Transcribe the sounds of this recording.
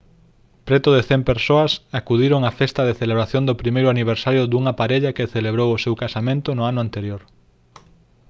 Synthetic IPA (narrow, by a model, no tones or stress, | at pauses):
pɾet̪ʊðeθempeɾsoɐsakuðiɾoŋafest̪ɐðeθeleβɾaθjõnd̪opɾimejɾʊaniβ̞eɾsaɾjʊd̪uŋapaɾeʎɐkeθeleβ̞ɾowosewkasamẽnt̪ʊnʊanʊant̪eɾjoɾ